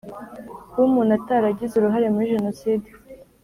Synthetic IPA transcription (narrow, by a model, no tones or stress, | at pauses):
wumuːnataɾaɟizuɾuɦaɾe̞muɾiʒe̞no̞siːdi